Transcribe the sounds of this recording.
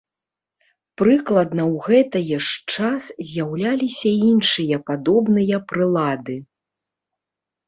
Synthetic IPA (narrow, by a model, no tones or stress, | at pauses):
pɾɨklˠɐd̪nɐwɣɛt̪ɐjɛʂt͡ʂaszʲjawlʲalʲisʲɐinʂɨjɐpad̪ɔbnɨjɐpɾɨlˠad̪ɨ